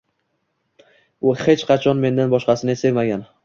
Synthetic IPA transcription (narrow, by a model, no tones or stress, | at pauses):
ʊhe̞t͡ʃqʰɑt͡ʃʰɒnme̞nd̪anbɒʃqɑsɪnesevmaɡʲan